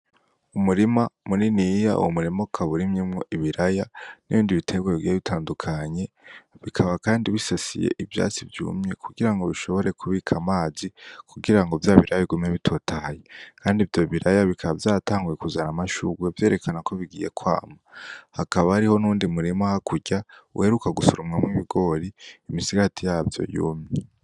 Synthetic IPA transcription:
umuɾimamuninija̰ṵwomuɾimokʰaβuɾimɲimŋo̞ʔiβiɾajaniβiːndiβitʰe̞ɡweiɡieβitʰaːndukʰaɲe̞ | βikʰaβakaːndiβisasḭjḛʔivja̰ːt͡sivjṵːmɲe̞kʰuɡiɾaŋɡo̞βiʃo̞βo̞ɾe̞kʰuβiːkʰamaːzikʰuɡiɾaŋɡovjaːβiɾajβiɡumɲeβitʰo̞ːtʰajekʰaːndivjo̞βiɾajaβikʰaβavjaːtaːŋɡuje̞kuzanamaʃuɡwevje̞ːɾe̞kʰanakʰo̞βiɡiːje̞̰kʰwa̰ːmahakaβahaɾiho̞nuːndimuɾimahakʰuɟaṵhe̞ɾukaɡusuɾumŋamŋiβiɡo̞ːɾiːmisiɡatijaːvjo̞̰jṵːmɲee

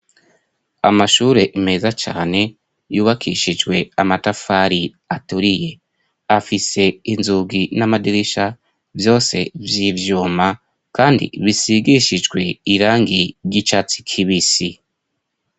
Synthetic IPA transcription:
a̰maʃuːɾe̞ʔime̞zat͡ʃa̰ːne̞ | juːβakʰiʃid͡ʒɡwe̞amatafaɾi | atuɾije̞ | afise̞inzuɡinamadiɾiʃa | vjo̞ːse̞vjivjuːma | kaːndḭβisiɡiʃid͡ʒɡwe̞iɾaːŋɡiɾɟit͡ʃat͡si̥kʰiβisi

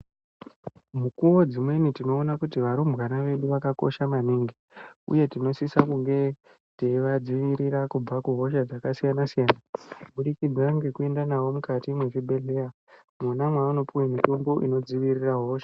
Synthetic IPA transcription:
mukuwo̞d͡zimwe̞nitino̞ːnakutiʋaɾumbɣanaʋe̞ɗuʋakako̞̰ʃamaniŋɡi | ṵje̞tino̞sisakuŋɡe̞ | teiʋad͡ziʋiɾiɾakub͡vakuɦo̞ʃad͡zakasijanasijaːnaɓuɗikid͡zaŋɡe̞kue̞ndanawo̞mukatimwe̞t͡ʃibʱe̞ɮe̞ja | monamwauno̞puwemito̞mbo̞ʔḭno̞d͡ziʋiriraɦo̞ːʃḁ

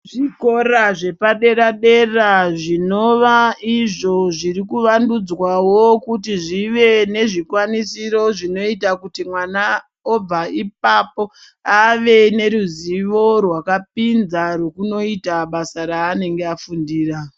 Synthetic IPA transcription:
ʐiko̞ɾaʐe̞paɗe̞ɾaɗe̞raʐino̞ʋaiʐo̞ʐiɾikuʋandud͡zwawo̞kutiʐiʋe̞ne̞ʐikwanisiɾo̞ʐino̞itakutimwana | ob͡vaip̚apo̞ | aʋe̞ne̞ɾuziʋo̞rwakap̚inzaɾwe̞kuno̞itaɓasaɾaːne̞ŋɡe̞afundiːra

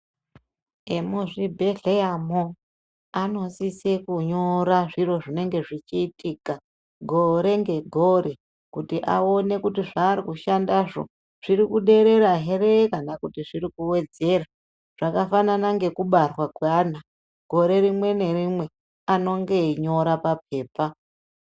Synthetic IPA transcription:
emuʐibʱeɮeamo | ano̞sisekuɲoɾaʐiro̞ʐine̞ŋɡe̞ʐit͡ʃiːtiːka | ɡʱo̞ɾe̞ŋɡe̞ɡʱo̞ɾe̞ | kutiʔa̰o̞ne̞kutiʐaːɾikuʃandaʐo̰ | ʐ̥iɾikuɗe̞ɾe̞ɾaɦe̞re̞kanakutiʐirikuwe̞d͡ze̞ra | ʐ̥akafananaŋɡe̞kuɓarwakwaːna | ɡ̥ʱo̞ɾe̞ɾimwe̞ne̞rimwe̞ | ano̞ŋɡe̞ɲo̞ɾapapʰe̞ːpa

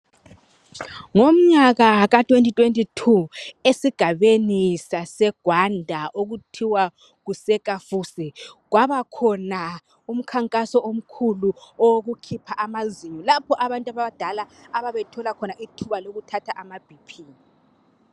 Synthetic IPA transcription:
ŋom̩ɲaɣaɣatʼwentʼitʼwentʼitʰuesiɡ̥ʱaβenisasɛɡ̥ʱwandʱaʔoɣutʰiwa | ɣusɛkʼafusiɣwaβakʰɔna | um̩kʰaŋkʼasɔʔom̩kʰuluɔɣukʰipʰaʔamaziɲɔlapʰɔʔaβantʼaβaβad̥ʱalaːβaβetʰɔlakʰɔnaʔitʰuβaloɣutʰatʰaʔamab̥ʱipʰiːni

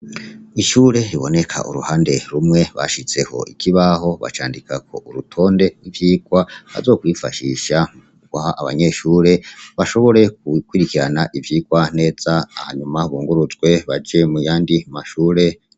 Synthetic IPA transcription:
iʃuːɾe̞ɾiβo̞̰ne̞kʰa̰ʔṵɾṵhaːnde̞ɾumŋe̞βa̰ʃit͡se̞ho̞̰ikʰiβaho̞βa̰t͡ʃa̰ːndikakʰo̞ʔuɾutʰo̞ːnde̞ivjiːɡwaβa̰zo̞kwiːfa̰ʃiʃa | ɡwaaβa̰ɲe̞ʃuːɾe̞βaʃo̞βo̞ɾe̞k̚ukwiɾikiɾanaʔivjiːɡwane̞ːz̥aːhaɲumaβuːŋɡuɾuzɡwe̞βad͡ʒe̞mujaːndimaʃuːɾe̞

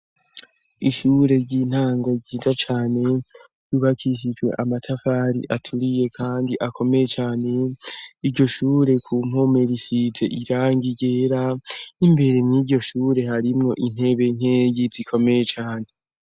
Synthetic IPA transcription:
iʃuːɾe̞ɾɟiːn̥haːŋɡoɾɟiːzat͡ʃaːne̞ | juβakʰiʃ̬id͡ʒɡwe̞̰ʔamatʰafaɾḭʔatʰuɾije̞kʰaːndiʔakʰo̞me̞je̞t͡ʃaːne̞iɾɟo̞ʃuːɾe̞kʰum̥ho̞me̞ɾisize̞̰ʔiɾaːŋɡiɟe̞ːɾaimbe̞ɾemŋiːɟo̞ʃuːɾe̞haɾimŋo̞ʔin̥e̞βe̞n̥he̞ːɡizikʰo̞me̞je̞t͡ʃaːne̞

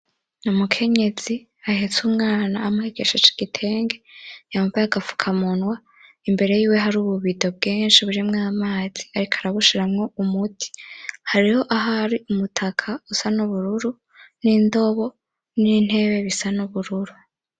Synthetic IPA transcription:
numukʰe̞ɲe̞z̥i | ahet͡sumŋaːnaːmuheɡe̞ʃet͡ʃi̥ɡ̥itʰe̞ːŋɡejauvaaɡafu̥kʰamunwa | imbe̞ɾe̞jiːwe̞ɦaɾuːβuβido̞b̚ɡeːnʃiβuɾimŋaamaːz̥iaɾikʰaɾaβuʃiɾamŋo̞umutʰi̥haɾiho̞ʔaɦaɾiʔumutʰakʰausanuβuɾuɾu | niːndo̞βo̞ | nin̥he̞ːβe̞βisanuβuɾuɾu

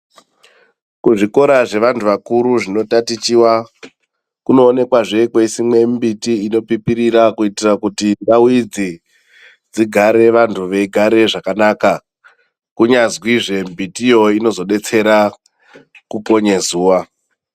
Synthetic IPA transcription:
kuʐiko̞ɾaʐe̞ʋantuʋakuɾuʐino̞tatit͡ʃiwa | kuno̞ːne̞kwaʐe̞kwesimwe̞mbitiino̞pipiɾiɾakuitirakutindawid͡zi | d͡ziɡʱaɾe̞ʋantʰuʋe̞iɡʱaɾe̞ʐakanaːka | kuɲazwiʐe̞mbitijo̞ino̞zo̞ɗe̞t͡se̞ɾa | kuko̞ɲezuːʋa

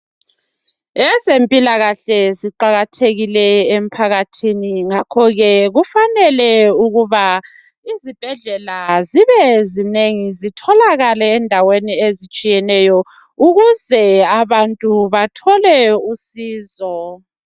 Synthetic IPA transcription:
ɛsempʼilaɣaɬɛziǃaɣatʰeɣilɛem̩pʰaɣatʰiniŋakʰɔɣɛɣufanɛlɛuɣuβa | izib̥ʱɛɮɛlaziβɛzineŋizitʰɔlaɣalɛːndʱaweniezit͡ʃʼijɛnɛjɔ | uɣuzɛaβantʼuβatʰɔlɛusiːzɔ

